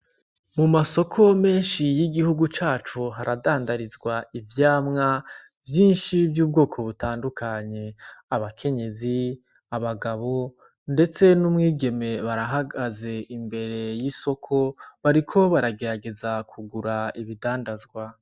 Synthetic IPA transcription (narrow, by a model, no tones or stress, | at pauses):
mumaso̞kʰo̞me̞ːnʃijiɡihuɡut͡ʃaːt͡ʃuɦaɾadaːndaɾizɡwaivjaːmŋa | vjiːnʃivjuːb̚ɡo̞ːkʰo̞βutaːndukʰaɲe̞aβakʰe̞ɲe̞zi | aβaɡaβo̞ | nde̞t͡se̞numŋiːɡe̞me̞βaɾaɦaɡaze̞imbe̞ɾe̞e̞jiso̞kʰo̞βaɾikʰo̞βaɾaɡe̞ɾaɡe̞zakʰuɡuɾaiβidaːndazɡwa